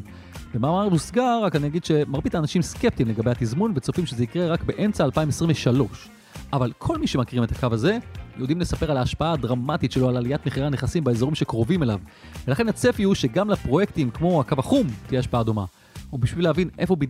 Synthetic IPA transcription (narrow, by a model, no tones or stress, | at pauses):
vemaːmaʁmusɡaʁakanijaɡid̪ʃe̞maʁbit̪aːnaʃimskep̚t̪imle̞ɡabehat̪izmunvet͡sofimʃezeikʁe̞ʁakbe̞ʔe̞nt͡saːlpaimesʁimveʃalo̞ʃ | ʔavalkʰo̞lmiʃemakiʁimet̪ʰakavaze̞jḛud̪imlesape̞ʁalaːʃpaaːdʁamat̪itʃe̞loalalijat̪meχiʁaneχasimbeezo̞ʁimʃe̞kʁo̞vime̞lav | velaχe̞nat͡sefihuʃe̞ɡamlapʁoje̞ktimkmo̞akavaχumt̪ijeaʃpaaːdo̞ma̰ | ubiʃvilehavinʔe̞fobi